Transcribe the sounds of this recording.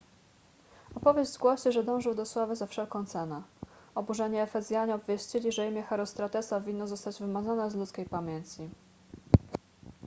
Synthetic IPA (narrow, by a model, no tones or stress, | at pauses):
ɔpɔvʲjeʑzɡwɔɕɛʐɛd̪ɔ̃w̃ʐɘwd̪ɔswavɘzafʂɛlkɔ̃t̪sɛnɛɔbuʐɛɲɛːfɛzʲjaɲɛɔbvʲjɛɕt͡ɕilʲiʐɛimʲjɛxɛɾɔst̪ɾat̪ɛsavʲinːɔzɔst̪ad͡ʑvɘmazɔnɛzlut̪skʲejpamʲjeɲʲt͡ɕi